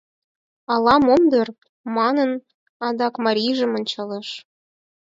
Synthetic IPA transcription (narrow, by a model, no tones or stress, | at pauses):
ɑlɑmomd̪ɤr | mɑnɤ̆n | ɑd̪ɑkmɑɾʲiʒə̆mŏnʲt͡ɕɤlɤ̆ʃ